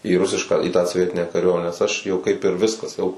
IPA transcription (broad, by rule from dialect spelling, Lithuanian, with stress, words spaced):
iː ˈrʊsʲɪʃkɑː iː tɑː soːˈʋʲiɛtʲɪnʲæː kɐˈrʲuɔmʲɛnʲæː nʲɛs ˈɐʃ jɛʊ kɐɪp ɪr ˈʋʲɪskɐs jɛʊ